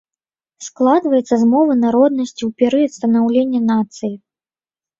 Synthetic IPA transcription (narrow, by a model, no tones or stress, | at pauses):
sklˠad̪vɐjɛt̪sːɐzmɔvɨnaɾɔd̪̚nɐsʲt͡sʲiwpʲɛɾɨɐt̪st̪ɐnawlʲenʲːɐnat̪sɨji